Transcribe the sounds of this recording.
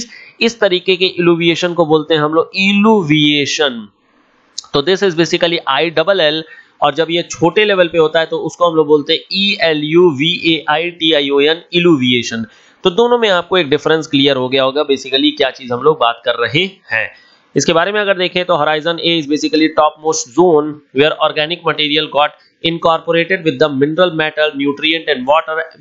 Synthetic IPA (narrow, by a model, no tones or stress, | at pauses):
zɪst̪ɐɾiːkekeʔɪluːʋieːʃənkoboːlt̪ẽɦɛ̃ɦɐ̃mloːɡɪluːʋieːʃən | t̪oːd̪ɪsɪzbeːsɪkəliʔaːiɖɐbəlɛl | ɔːɾd͡ʒɐbjet͡ʃʰoːʈeleːʋəlpeɦoːt̪aɦɛt̪oʊskoɦɐ̃mloːɡboːlt̪eɦɛ̃iːɛljuːʋiːʔeːʔaːiʈiːaːioːənɪluːʋieːʃə̃n | t̪od̪oːnõmẽaːp̚koeːk̚ɖɪfɾə̃nskliːəɾɦoɡɐjaɦoːɡabeːsɪkəlikjaːt͡ʃiːzɦɐ̃mloːɡ̚baːt̪kɐɾːɐɦehɛ̰̃ː | ɪskebaːɾemẽɐɡəɾd̪eːkʰẽt̪oɦoɾaːɪzə̃neɪzbeːsɪkəliʈɔːp̚moːsʈzoːnʋeːɾɔːɾɡɛːnɪk̚mɐʈiːɾijəlɡɔːʈ | ɪ̃nkɔːɾpoɾeːʈeɖʋɪd̪ːɐmɪnɾəlmɛːʈəlnjuːʈɾiə̃ɳʈɛ̃ɳɖʋɔːʈəɾ